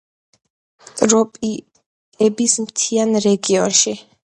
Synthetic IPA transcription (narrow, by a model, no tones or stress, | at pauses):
t̪ʼɾɔpʼ | ɛbismt̪ʰianɾɛɡiɔnʃi